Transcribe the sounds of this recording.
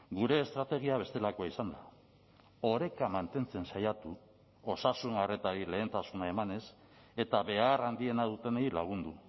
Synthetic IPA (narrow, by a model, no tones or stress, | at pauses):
ɡuɾe̞ːst̪ɾat̪e̞ɣ̞iaβe̞st̪e̞lakoaisand̪a | o̞ɾe̞kamant̪e̞nt͡se̞nsajat̪u | o̞sasunaret̪aɾile̞ːnt̪asunae̞mane̞s | e̞t̪aβe̞arand̪ie̞nað̞ut̪e̞neilaɣ̞und̪u